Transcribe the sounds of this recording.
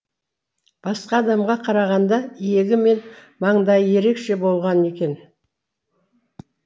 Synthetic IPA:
b̥ɑsqɑːd̪ɑmʁɑqʰɑɾɑʁɑnd̪ɑije̞ɡʲɪme̞n | mɑɴd̪ɑjje̞ɾe̞kʃe̞bo̞lˠʁɑne̞kʲe̞n

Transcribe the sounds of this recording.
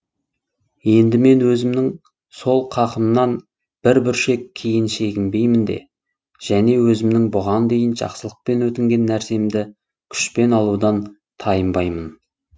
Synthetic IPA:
je̞nd̪ɪme̞nwɵzɪmnɪŋ | so̞lˠqʰɑqəmnɑn | b̥ɪɾbɪɾʃe̞kʲʰːijɪnʃe̞ɡʲɪmbe̞jmɪnd̪e̞̰ | ʒ̥æne̞wɵzɪmnɪŋbʊʁɑnd̪e̞jɪnʒɑ̰qsəlˠəq̚pe̞nwɵt̪ɪŋɡʲe̞nːæɾse̞md̪ɪ | kʲʰʏ̥ʃpe̞nɑlˠud̪ɑn | t̪ʰɑjəmbɑjmən

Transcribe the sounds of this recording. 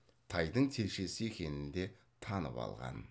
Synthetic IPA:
t̪ʰɑjd̪əɴt̪ʰe̞lʃe̞sɪekʲʰe̞nɪnd̪e̞ | t̪ʰɑnə̰pɑ̰lˠʁɑ̰n

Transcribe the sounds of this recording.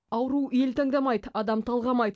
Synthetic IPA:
ɑwɾuwe̞lt̪ʰɑŋd̪ɑmɑjd̪əɑd̪ɑmt̪ʰɑlˠʁɑmɑjd̪

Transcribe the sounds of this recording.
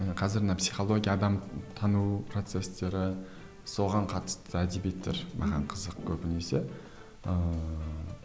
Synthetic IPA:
qʰɑzɪɾnɑpsijχo̞lˠo̞ɡʲijɑːd̪ɑmt̪ʰɑnupʰro̞t̪se̞st̪e̞ɾɪ | so̞ʁɑɴqʰɑt̪ə̥st̪əæd̪ebet̪ːḛɾmʔɑ̰ʁɑ̰ɴqʰəzəq̚kʲʰɵpɪne̞se̞ | ə

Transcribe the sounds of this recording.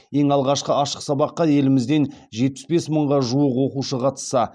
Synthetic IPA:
je̞ŋɑlˠʁɑʃqəɑʃəqsɑbɑqːɑje̞lɪmɪzd̪e̞nʒe̞t̪̚pɪ̥sbe̞sməɴʁɑʒuwəqwo̞quʃəqʰɑt̪ə̥sːɑ

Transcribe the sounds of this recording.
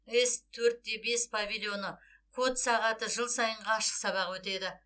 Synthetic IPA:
est̪ʰːɵɾt̪̚d̪e̞be̞spʰavʲilʲjo̞nə | kʰot̪sɑʁɑt̪əʒəlˠsɑjəɴʁɑːʃə̥qsɑβɑqwɵt̪e̞d̪ɪ

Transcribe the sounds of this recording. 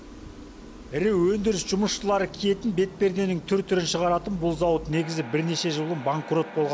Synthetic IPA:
ɾewɵnd̪ɪɾɪsʒ̥ʊməsʃəlˠɑɾəkʲʰije̞t̪ɪnbe̞t̪̚pe̞ɾd̪e̞nɪŋt̪ʰʏɾt̪ʰːʏɾɪnʃəʁɑɾɑt̪ənbʊlˠzɑwət̪ne̞ɡʲɪzɪbɪɾne̞ʃe̞ʒəlˠənbaŋkro̞t̪̚bo̞lˠʁɑn

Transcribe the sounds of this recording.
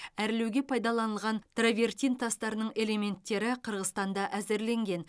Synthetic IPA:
æɾle̞wɡʲe̞pʰɑjd̪ɑlˠɑnəlˠʁɑnt̪ravʲe̞rt̪ʲijnt̪ʰɑst̪ɑɾənəɴe̞le̞me̞nt̪ːe̞ɾɪqʰəɾʁəzt̪ɑnd̪ɑʔæzɪɾle̞ŋɡʲe̞n

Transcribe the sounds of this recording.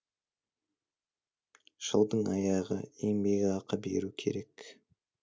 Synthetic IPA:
ʒ̥əlˠd̪əɴɑjɑʁəe̞ŋbe̞ɡʲɑqəbe̞̰ɾukʲʰe̞̰ɾe̞k

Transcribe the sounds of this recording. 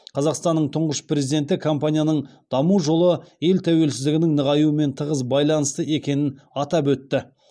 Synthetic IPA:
qʰɑzɑqst̪ɑnːəɴt̪ʰʊɴʁəʃpre̞zijd̪e̞nt̪ɪkʰompanʲijanəɴd̪̥ɑmuʒo̞lˠəje̞lt̪ʰæwe̞lsɪzd̪ɪɡʲɪnɪŋnəʁɑjuəme̞nt̪ʰəʁəsbɑjlˠɑnəst̪əe̞kʲe̞nɪnɑt̪ɑp̬ɵt̪ːɪ

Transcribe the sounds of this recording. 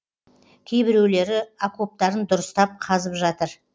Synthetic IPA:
kʲʰe̞jbɪɾe̞wle̞ɾɪako̞p̚t̪ɑɾənd̪ʊɾəst̪ɑp̚qʰɑzəpʒɑt̪əɾ

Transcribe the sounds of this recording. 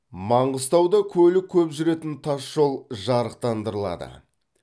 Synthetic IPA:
mɑɴʁəst̪ɑwd̪ɑkʲʰɵlɪkʲʰɵpʒʏɾe̞t̪ɪnt̪ʰɑsʒ̥o̞lˠʒɑɾəqt̪ɑnd̪əɾəlˠɑ̰d̪ə̰

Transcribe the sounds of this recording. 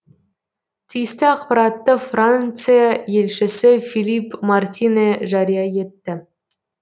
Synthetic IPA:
t̪ʲijst̪ɪɑqpɑɾɑt̪ːəfrant̪sɨjajelʲʃɪ̆sɪfʲilʲipmɑrt̪ʲineʒɑɾʲijɑjet̪ːɪ

